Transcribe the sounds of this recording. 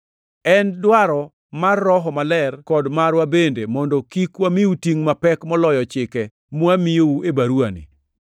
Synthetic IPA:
ɛndwaɾɔ | marːɔɦɔmalɛrkɔdmaɾwabendemɔndɔkikwamiutiŋmapɛkmɔlɔjɔt͡ʃɪkɛ | mwamijouebaɾuanɪ̰

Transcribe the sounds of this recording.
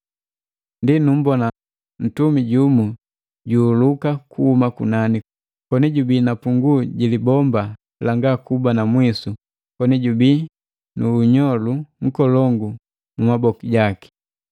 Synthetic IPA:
ndinum̩bɔna | n̩tumiɟumu | ɟuːlukakʰuhumakṵnani | kɔniɟubiːnapuŋɡuɟilibɔmba | laŋɡakubanamwisu | kɔniɟubiː | nuːɲɔluŋ̩kɔlɔŋɡu | mumabɔkiɟaki̥

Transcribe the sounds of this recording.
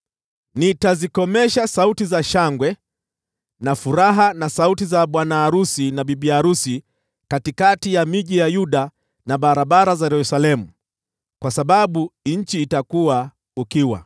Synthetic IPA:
nitazikɔmɛʃasautizaʃaŋɡwɛ | nafuɾaɦanasautizaɓwanaːɾusinaɓiɓiaɾusi | katikatijamiʄijajuɗa | naɓaɾaɓaɾazajɛɾusalɛmu | kwasaɓaɓuɲ̩t͡ʃiːtakuwa | ukiwa̰

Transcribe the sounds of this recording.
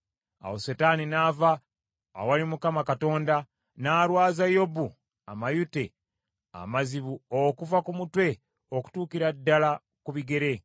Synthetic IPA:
a̰wosetaːninaːvaː | walimukamakato̞ːnda | naːɾwaːzajo̞bu | amajute̞ | a̰maziβuokuvakumutwe̞ | oku̥tuːkiɾadːala | kuβiɡe̞ɾe̞

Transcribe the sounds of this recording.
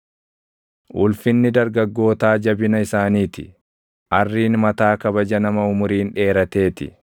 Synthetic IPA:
ʔʊlfɪnːɪd̪ɐɾɡɐɡːo̞ːt̪aːd͡ʒɐbɪnɐɪsaːniːt̪ɪ̰ | ʔɐrːiːnmɐt̪aːkɐbɐd͡ʒɐnɐmɐʊmʊɾiːnᶑe̞ːɾɐt̪e̞ːt̪ɪ̰

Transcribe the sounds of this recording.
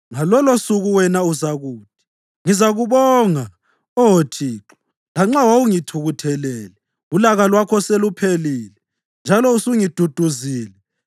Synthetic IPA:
ŋalɔlosuɣuwɛnauzaɣuːt̚ʰi̥ | ŋizaɣuβɔŋa | ɔwotʰiːǁɔ̥ | laŋ͡ǁawouŋitʰuɣutʰɛlɛːlɛ | ulaɣalwakʰɔselupʰeliːlɛ | nd͡ʒʱalɔusuŋid̥ʱud̥ʱuziːlɛ

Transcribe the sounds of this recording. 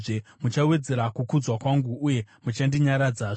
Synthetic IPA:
ʐemut͡ʃawe̞d͡ze̞ɾakukud͡zwakwaŋɡuːje̞mut͡ʃandiɲaɾad͡zaʐ

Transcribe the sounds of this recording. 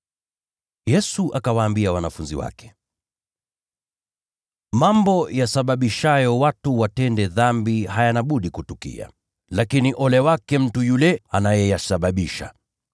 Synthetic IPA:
jɛsuʔakawaːmbiawanafunziwa̰kɛ̥ | mambɔjasaɓaɓiʃajɔwatuwatɛndɛðambihajanaɓuɗikutukḭa̰ | lakiniʔɔlɛwakɛm̩tujulɛanajɛjasaɓaɓiʃa

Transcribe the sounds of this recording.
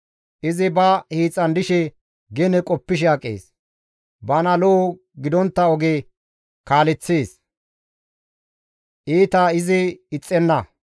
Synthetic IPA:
ʔɪzɪbɐhiːt͡sʼːɐnd̪ɪʃɛ | ɡɛnɛkʼɔpːɪʃ̬ɐkʼːḛːs | bɐnɐlɔ | ɡɪd̪ɔnt̪ːɐɔɡe | kaːlɛt͡sːeːs | ʔiːt̪aɪzɪɪt͡sʼːɛnːɐ

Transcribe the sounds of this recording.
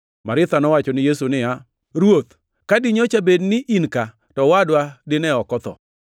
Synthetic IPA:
maɾɪt̪anɔwat͡ʃɔnɪjesunɪja | ɾwot̪ | kadɪɲot͡ʃabednɪʔinka | tɔwadwadɪnɛɔkɔt̪ɔ̰

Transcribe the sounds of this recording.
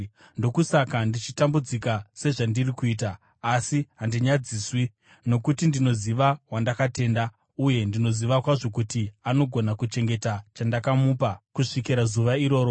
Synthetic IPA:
ndo̞kusakandit͡ʃitambud͡zikase̞ʐandirikuiːtaː | siɦandiɲad͡ziːswi | no̞kutindino̞ziʋaɦwandakate̞nda | uje̞ndino̞ziʋakwaʐo̞k̬utiano̞ɡʱo̞nakut͡ʃe̞ŋɡe̞tat͡ʃandakamupakuʂikiɾazuʋaiɾo̞ːɾo

